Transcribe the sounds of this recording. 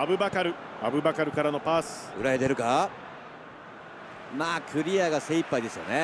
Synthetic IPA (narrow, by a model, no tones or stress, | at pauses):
abɯ̟bakaɾɯ̟ | abɯ̟bakaɾɯ̟kaɾano̞paːsɨ̥ɯ̟ɾaet̪e̞ɾɯ̟ka | maːkʰɯ̟ɾʲiaɡase̞ipːaid̪e̞sɨjo̞̰ne